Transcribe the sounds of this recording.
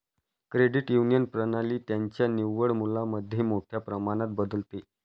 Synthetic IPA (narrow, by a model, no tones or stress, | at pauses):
kɾeɽiʈjunijənpɾənaliːt̪jaɲt͡ɕjaniʋːəɽmulaməd̪ʱːjemoʈʰjapɾəmaɽ̃at̪̚bəd̪əlt̪e